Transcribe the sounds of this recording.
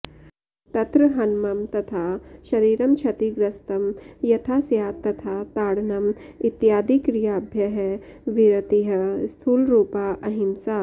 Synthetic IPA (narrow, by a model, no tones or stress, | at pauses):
t̪ɐt̪ɾɐɦɐnmɐmt̪ɐt̪ʰaːʃɐɾiːɾɐmt͡ʃʰɐt̪iɡɾɐst̪ɐmjɐt̪ʰaːsjaːt̪ːɐt̪ʰaːt̪aːɽnɐmit̪jaːd̪ikɾijaːbʱjɐɦɛʋiɾɐt̪iɦɐst̪ʰuːlɾuːpaːʔɐɦimsaː